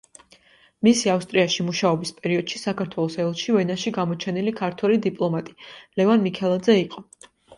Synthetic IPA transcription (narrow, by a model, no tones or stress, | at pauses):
misiafst̪ʼɾiaʃimuʃaɔbispʼɛɾiɔd̪̥ʃisakʰaɾt̪ʰwɛlˠɔsɛlˠʃivɛnaʃiɡamɔt͡ʃʰɛnilikʰaɾt̪ʰwɛlid̪ipʼlˠɔmat̪ʼi̥lɛvanmikʰɛlˠad̪zɛiqʼɔ